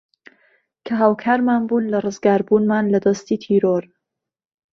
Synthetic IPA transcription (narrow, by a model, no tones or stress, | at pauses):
kʰɐɦaːwkʰaːɾmaːnbuːnlɐrɨzɡaːɾbuːnmaːnlɐd̪ɐst̪iːt̪ʰiːɾoɾ